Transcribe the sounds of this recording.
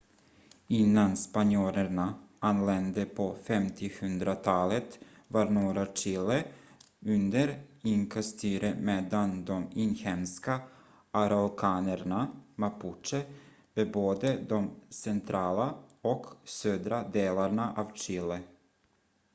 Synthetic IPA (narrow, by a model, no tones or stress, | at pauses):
ɪnːanspanjoːɾəɳaanlɛnd̪əpʰɔfɛmt̪ʰɪhɵnd̪ɾat̪ʰɑːlət̪ | vaɾnuːɾat͡ʃɪlːə | ɵnd̪əɾɪŋkʰast̪ʰyːɾəmeːd̪and̪ɔmɪnhɛmska | ʔaɾaɔlkʰɑːnəɾɳamapʰʊʂə | veboːd̪əd̪ɔmsɛnt̪ʰɾɑːlaɔksøːd̪ɾad̪eːlaɳaʔavt͡ʃɪlːə